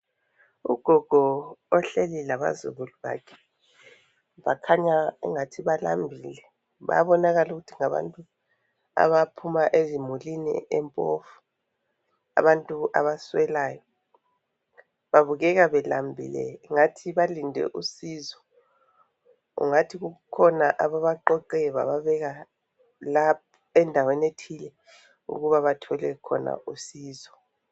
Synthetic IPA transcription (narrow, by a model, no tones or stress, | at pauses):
uɡ̥ʱɔɡ̥ʱɔɔɬelilaβa̰zṵɣuluβa̰kʰɛ̥ | βakʰaɲauŋatʰiβala̰mbʱiːlɛ | βa̰βɔnaɣaluɣutʰiŋaβa̰ntʼu | a̰βapʰumaʔezimulinḭʔɛmpʼofu̥ | a̰βantʼuʔa̰βaswɛlaːjɔ | βaβuɣɛɣaβɛla̰mbʱḭlɛ̰ŋatʰiβalindʱɛ̰ʔusizɔ | ṵŋatʰiɣuɣukʰɔnaʔaβaβaǃɔǃɛβa̰βaβɛɣa | lap̚ʰɔɛndʱawenetʰilɛ | ṵɣuβaβatʰɔlɛkʰɔna̰ʔusiːzɔ